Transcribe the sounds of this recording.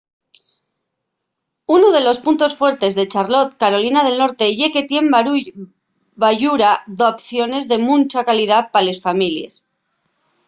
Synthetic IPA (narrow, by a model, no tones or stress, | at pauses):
unoð̞e̞lo̞spunt̪o̞sfwe̞ɾt̪e̞zðe̞t͡ʃaɾlo̞t̪kaɾo̞linað̞e̞lno̞ɾt̪e̞ʝe̞ke̞t̪je̞mbaɾuj | baʝuɾaðoapθjo̞ne̞zðe̞mũnt͡ʃakalið̞apale̞sfamilje̞̰s